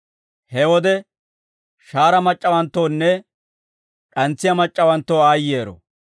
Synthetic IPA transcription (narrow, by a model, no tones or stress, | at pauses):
hɛwɔd̪ɛ | ʃaːɾɐmɐt͡ʃʼːɐwɐnt̪ːoːnːɛ | kʼɐnt͡sːɪjɐmɐt͡ʃʼːɐwɐnt̪ːoːaːjːeːɾɔ̰